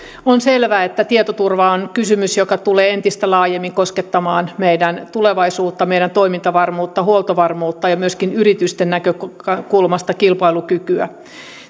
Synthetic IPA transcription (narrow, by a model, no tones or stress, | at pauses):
onselʋæːet̪ːæt̪iet̪ot̪urʋɑonkysymysjokɑt̪uleːent̪ist̪ælɑːjemːiŋkosket̪ːɑmɑːnmeidænt̪uleʋɑisuːt̪ːɑmeiɾænt̪oimint̪ɑʋɑrmuːt̪ːɑhuolˠt̪oʋɑrmuːt̪ːɑjɑmyøskinyɾit̪yst̪enːækøkɑkulmɑst̪ɑkilpɑilukykyæ